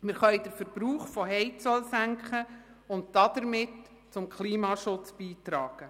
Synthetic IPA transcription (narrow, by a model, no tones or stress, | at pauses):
mɪɾχœjdəɾfəɾb̥ɾuːχfɔɦɛɪt͡sɔlsæŋkχə | ʊnt̚dɑd̪əɾmɪt | t͡sʊmkχliːmɑʃʊt͡sb̥iːtɾɑːɡ̥ə